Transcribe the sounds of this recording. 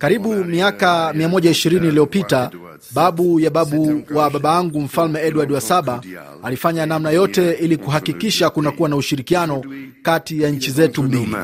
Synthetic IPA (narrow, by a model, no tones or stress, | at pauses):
kaɾiɓumiakamiamɔʄaiʃiɾiniːliɔpita | ɓaɓujaɓaɓuwaɓaɓaaŋɡum̩falmɛɛɗuwaɗwasaɓa | alifaɲanamnajɔtɛilikuɦakikiʃakunakuwanauʃiɾikianɔkatijaɲ̩t͡ʃizɛtumbilḭ